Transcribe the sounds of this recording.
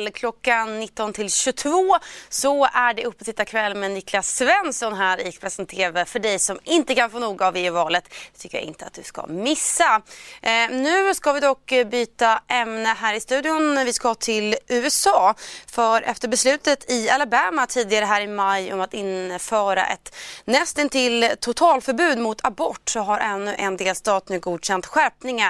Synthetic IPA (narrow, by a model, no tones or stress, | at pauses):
lkʰlɔkːanːɪt̪ːɔnt̪ʰɪlɕɵt̪ʰvoːsɔæɖɛɵpːɔt̪ɪt̪ːakʰvɛlːmɛnɪkʰlasːvɛnsɔnɦæːɾɪkpʰɾɛsənt̪ʰeːvəfœɖɛjsɔmɪnt̪əkʰanfoːnuːɡaːveːʉvɑːlət̪t̪ʰʏkːəɾja̰ʔɪ̰nt̪əat̪̚d̪ɵ̰ska̰mɪsːa | nʉ̟ːskavɪd̪ɔkːbyːt̪aʔɛmnəɦæːɾɪst̪ʉ̟ːd̪ɪʊnvɪskaht̪ʰɪlʔʉ̟ːɛsɑːfœɾʔɛ̰ft̪əɾbɛslʉ̟ːt̪ət̪ʰɪalabæːmat̪ʰiːd̪ɪɡaɾəɦæːɾɪmajɔmat̪ɪnfœːɾa̰ʔɛ̰t̪nɛst̪ɛnt̪ʰɪlːt̪ʰʊt̪ʰɑːlfœɾbʉ̟ːd̪mʊt̪ʰabɔʈːsɔɦaɾʔɛnːɵʔɛnd̪eːlst̪ɑːt̪nʉ̟ːɡuːd̪ɕɛnt̪ɧæɾpnɪŋa